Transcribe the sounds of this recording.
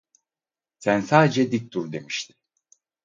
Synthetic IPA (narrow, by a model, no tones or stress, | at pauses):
sænsaːd̪ed͡ʒɛd̪ik̚ʲt̪ʰuɾd̪e̞miʃt̪ʰɪ̥